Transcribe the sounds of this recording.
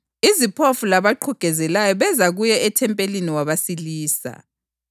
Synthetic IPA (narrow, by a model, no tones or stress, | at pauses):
izipʰofulaβaǃʰuɡ̥ʱɛzɛlajɔβɛzaɣujɛɛtʰɛmpʼeliniwaβasiliːsa̰